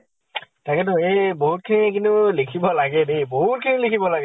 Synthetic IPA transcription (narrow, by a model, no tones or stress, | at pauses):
takʰɛtʊeboɦut̚kʰinikintʊlikʰibɔlaɡɛneboɦut̚kʰinilikʰibɔlaɡ